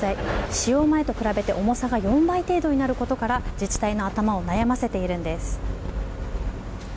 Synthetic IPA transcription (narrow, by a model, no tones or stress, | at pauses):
aiɕijo̞ːmae̞t̪o̞kɯ̟ɾabe̞t̪e̞ʔo̞mo̞saɡajõ̞mbait̪e̞ːd̪o̞ɲ̟inaɾɯ̟ko̞t̪o̞kaɾad͡ʑit͡ɕi̥t̪aino̞at̪amao̞najamase̞t̪e̞iɾɯ̟̃nd̪e̞sɨ̥